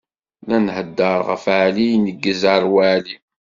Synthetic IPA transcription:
lænhəd̪ːəɾˤʁə̰fʕlijnəɡːəzəɾˤwæʕli

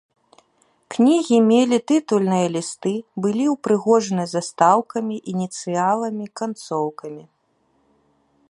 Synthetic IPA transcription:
knʲiɣʲimʲelʲit̪ɨt̪ulʲnɨjɐlʲist̪ɨbɨlʲiwpɾɨɣɔʐɐnɨzɐst̪awkɐmʲiʔinʲit̪sɨjalˠɐmʲikant̪sɔwkɐmʲi

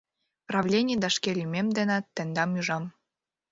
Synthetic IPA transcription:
prɑvlʲenʲied̪ɑʃkelʲymemd̪ĕnɑt̪ːə̆nd̪ɑmyʒɑm

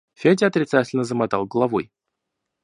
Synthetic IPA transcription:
fʲedʲɪɐt̪ɾʲɪt̪satʲɪlʲnəzəmɐt̪alˠɡəlˠɐvoj

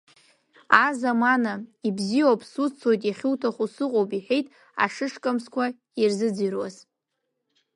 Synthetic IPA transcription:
azamanaibziwapʰsut͡sʰojtʼjaχʲɪwtʰaχʷusɨqʼowpʼiħe̞jtʼ | a̰ʂɨʂkʼamskʷʰa | irzɨd͡zirwaz

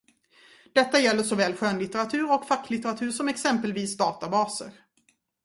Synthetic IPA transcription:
d̪̥ɛt̪ːajɛlːəʂɔvɛːlɧøːnlɪt̪əɾat̪ʰʉ̟ːɾɔkfakːlɪt̪ɛɾat̪ʰʉːʂɔmɛksɛmpəlviːsd̪ɑːt̪abɑːsə̰ɾ

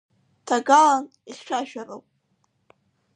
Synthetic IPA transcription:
tʰaɡalan | iχʲʃʷaʃᶣarowpʼ

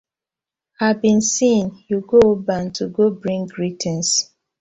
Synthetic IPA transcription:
habĩnsĩnjuɡoobantʰuɡobɹĩŋɡɹitʰɛ̃ns

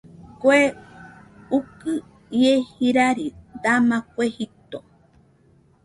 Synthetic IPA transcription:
koe | ukɨ | iehiɾaɾid̪amãkʷehit̪o

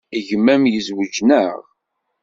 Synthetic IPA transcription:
iʝəmːæmjəzwəd͡ʒnəʁ

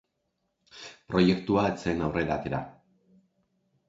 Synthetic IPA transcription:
pɾo̞je̞kt̪uaet͡senawre̞ɾat̪e̞ɾa̰

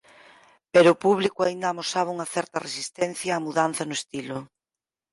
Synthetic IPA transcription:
peɾoːpuβlikʊaind̪aːmosaβauŋɐθɛɾt̪ɐresist̪ɛnθjaːmuðan̟θɐnʊest̪ilʊ

